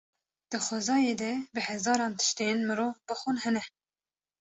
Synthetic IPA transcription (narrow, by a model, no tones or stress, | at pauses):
d̪̥ɨxʷɛzɑːjeːd̪ɛbɨhɛzɑːɾɑːnt̪ʰɨ̥ʃt̪enmɨɾoːbɨxunhɛnɛ